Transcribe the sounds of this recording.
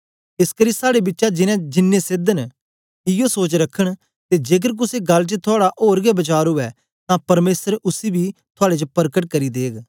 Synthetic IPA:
ɪskəɾiːsaːɽebɪtːʃad͡ʒɪnɛ̃d͡ʒɪnːẽsɪd̪ən | ɪjosoːt͡ʃɾɐkʰːəɽ̃ | t̪ed͡ʒeːk̬əɾk̬ʊseɡɐlːt͡ʃət̪ʰʊaːɽaʔoːɾɡɛbɐt͡ʃaːɾɦʊɛ | t̪ãpɐɾmeːsəɾʊsibit̪ʰʊaːɽet͡ʃəpɐɾkəʈ̚kɐɾid̪eːɡ

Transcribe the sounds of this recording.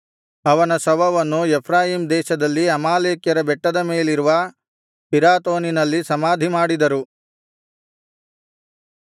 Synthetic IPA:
ɐʋɐnɐsɐʋɐʋɐnːuɛpʰɾaːjiːmd̪ɛːʃɐd̪ɐlːiɐmaːleːkjɐɾɐbɛʈːɐd̪ɐmeːliɾuʋɐ | piɾaːt̪oːninɐlːisɐmaːd̪ʱimaːɽid̪ɐɾu

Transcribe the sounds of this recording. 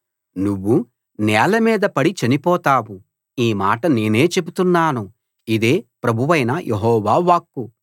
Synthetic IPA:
nuʋːu | nɛːlɐmiːd̪ɐpɐɽit͡ʃɐnipɔːt̪aːwu | iːmaːʈɐne̞ːne̞ːt͡ʃe̞but̪unːaːnu | id̪e̞ːpɾɐbʱuʋɐjnɐjʔeɦɔːʋaːʋaːkːu

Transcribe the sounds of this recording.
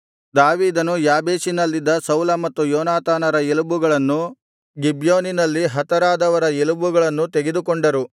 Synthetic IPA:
d̪aːʋiːd̪ɐnujaːbeːʃinɐlːid̪ːɐsɐwlɐmɐt̪ːujɔːnaːt̪aːnɐɾɐelubuɡɐɭɐnːu | ɡibjoːninɐlːiɦɐt̪ɐɾaːd̪ɐʋɐɾɐelubuɡɐɭɐnːut̪eɡed̪ukoɳɖɐɾu

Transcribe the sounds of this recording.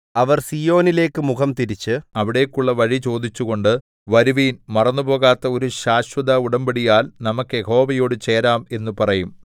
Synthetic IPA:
ɐʋɐrsijo̞ːnile̞ːkːɨmukɐmt̪iɾit͡ɕːɨɐʋiɽe̞ːkːuɭːɐʋɐɻit͡ɕo̞ːd̪it͡ɕːuɣo̞ɳɖɨ | ʋɐɾuʋiːnmɐrɐnːupo̞ːɣaːt̪ːɐo̞ɾuɕaːɕwɐd̪ɐuɽɐmbiɽijaːlnɐmɐkːɨeho̞ːbɐjo̞ːɽɨt͡ɕe̞ːɾaːme̞nːupɐrɐjum

